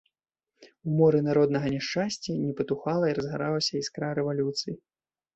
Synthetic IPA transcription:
umɔɾɨnaɾɔd̪nɐɣɐnʲɛʂt͡ʂasʲt͡sʲɐnʲɛpɐt̪uxalˠɐiɾɐzɣaɾawɐsʲɐiskɾaɾɛvalʲut̪sɨji

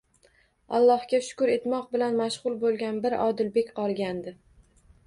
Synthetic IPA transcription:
alˠːɒhɡʲaʃʊ̥kʊɾe̞t̪mɒq̚bɪlanmaʃʁʊlˠbolˠɡʲanbɪɾɒ̰d̪ɪlbe̞kʲqʰɒlˠɡʲand̪ɪ

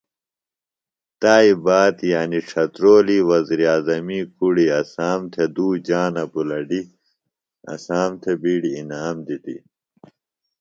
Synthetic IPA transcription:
t̪aːibaːt̪jaːniʈ͡ʂʰɐt̪ɾoːliwɐziɾiaːzɐmikuɽiɐsaːmt̪ʰed̪uːd͡ʑaːnɐbulɐɖi | ɐ̰saːmt̪ʰebiːɖiːnaːmd̪it̪ḭ

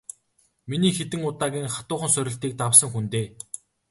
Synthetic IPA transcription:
miniːxet̪ɘ̆ŋʊt̪aːɣʲiːŋχḁt̪ʊːχə̆nsœɾʲɪ̆ɬt̪iːk̚t̪awsə̆ŋxunt̪eː

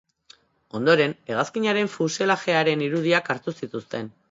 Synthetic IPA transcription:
o̞nd̪o̞ɾe̞ne̞ɣ̞askiɲaɾe̞ɱfuselaʝe̞aɾe̞niɾuð̞iakaɾt̪usit̪ust̪e̞n

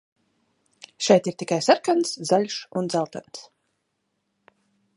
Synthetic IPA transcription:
ʃɛjt̪iɾt̪ikajsaɾkanszaʎʲʃund̪zalˠt̪ans

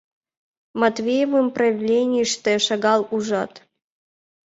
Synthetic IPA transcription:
mɐt̪vʲejɛvɨmpɾɐjɪvlʲenʲɪʂt̪ɛʃɐɡɑlˠuʐat̪

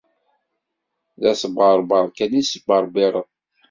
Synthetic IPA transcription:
ðæsəbʁəɾˤbəɾˤkænisəbəɾˤbiɾˤəð

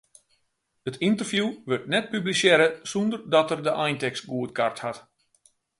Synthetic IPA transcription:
ətʰintərfjuʋørtnɛt̚pyblisjɛɾəsɔndərdɔtərdəʔajntɛksɡuətkʰarthat

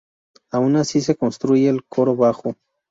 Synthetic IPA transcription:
aunasisekonst̪ɾujeːlkʰoɾoβaxo

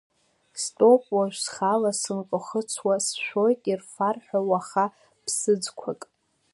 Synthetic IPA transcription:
stʼo̞pʼwaʒᶣʷsχalasɨnqʼʊχət͡sʰwasʃʷᶣo̞jtʼirfarħawaχa | pʰsɨd͡zkʷʰakʼ

